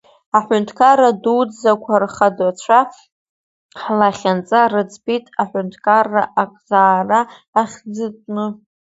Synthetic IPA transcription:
aħʷʊntʰkʰaradud͡zzakʷʰarχadat͡ɕʷʰa | ħlaχʲant͡sʼarɨt͡sʰʼpʼitʼaħʷʊntʰkʰarːa̰ʔakʼzaːraːχʲd͡zɨtʼnɨ

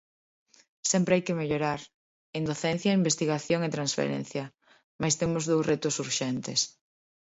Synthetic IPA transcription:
sɛmpɾeajkɪmeʎoɾaɾ | end̪oθɛnθjɐimbest̪iɣaθjoŋet̪ɾãnsfḛɾɛ̰̃n̟θjɐ | majst̪emʊzðowret̪ʊsuɾʃɛnt̪ɪs

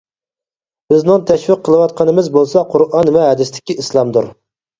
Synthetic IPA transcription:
b̥ɪznɪŋt̪ʰɛʃvɪqʰːəlˠɨwɑt̪̚qʰɑnɨmɪzbolˠsɑqʰʊɾʔɑnvɛɦɛd̪ɪst̪ɪ̥kʲiislˠɑmd̪uɾ

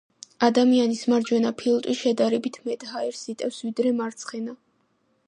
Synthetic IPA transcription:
ad̪amianismaɾd͡ʒwɛnapʰilˠt̪ʼwiʃɛd̪aɾɛbit̪ʰmɛt̪ʼhaɛɾsit̪ʼɛfsvid̪ɾɛmaɾt̪sʰχɛna

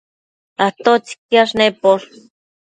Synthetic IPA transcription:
aht̪ot͡si̥k̚jaʂnepoɾ

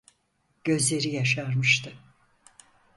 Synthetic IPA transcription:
ɟ̥ø̞zlʲe̞ɾijaʃaɾmɯʃt̪ʰɯ

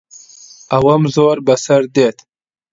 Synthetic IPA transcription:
awɐmzoːɾbɐsɐɾd̪et̪

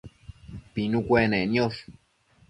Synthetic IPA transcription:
pinukʷenenjos

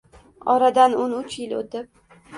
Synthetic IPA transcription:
ɒɾad̪anʊnʊt͡ʃʰjɪlo̰t̪ɪp̚

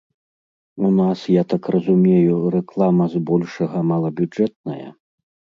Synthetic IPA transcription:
unasjat̪akrɐzumʲejuɾɛklˠamɐzbɔlʲʂɐɣɐmalˠɐbʲud͡ʐɛt̪̚nɐ̰jɐ̰

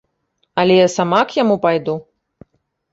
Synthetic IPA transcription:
ɐlʲɛjasamakjamupajd̪u

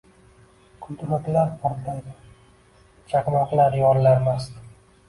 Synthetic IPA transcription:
kʰʊlt̪ɾat̪laɾpʰɒɾt̪lajd̪ɪ | t͡ʃʰaknɒqlaɾjɒnlaɾmast̪

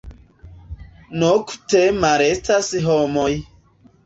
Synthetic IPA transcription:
noku̥temaɾestasiɦɔmɔj

